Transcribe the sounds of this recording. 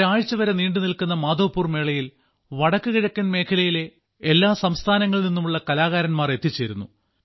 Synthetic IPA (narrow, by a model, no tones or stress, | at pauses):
aːɻt͡ɕːɐʋɐɾɐniːɳɖɨnilkunːɐmaːd̪o̞ːpːuːrme̞ːɭɐjil | ʋɐɽɐkːɨkiɻɐkʲːɐnme̞ːkʰɐlɐjile̞ | elːaːsɐmst̪ʰaːnɐŋːɐɭninːumuɭːɐkɐlaːɣaːɾɐnmaːre̞t̪ːit͡ɕːeːɾunːu